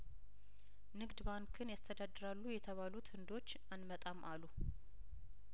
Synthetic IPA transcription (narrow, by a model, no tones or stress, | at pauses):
nɨɡd̪baŋkʰɨnjast̪ʰəd̪ad̪ːɨɾalːujɛt̪ʰəβalut̪ɨnd̪o̞t͡ʃːanmət̪ʼamʔalːu